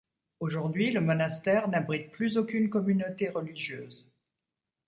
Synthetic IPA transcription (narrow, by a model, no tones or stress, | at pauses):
oʒuʁd̪ɥiləmɔnast̪ɛːʁnabʁit̪̚plyzokʲynkɔmynot̪eʁəliʒjøːz